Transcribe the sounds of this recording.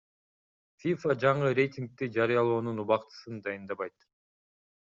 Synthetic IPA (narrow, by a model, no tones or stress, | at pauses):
fʲifad͡ʒɑɴɯɾʲe̞jt̪ʲiŋk̚t̪id͡ʒɑɾɯjɑlˠo̞ːnunuβɑqt̪ɯ̥sɯnd̪ɑjɯnd̪ɑβɑjt̪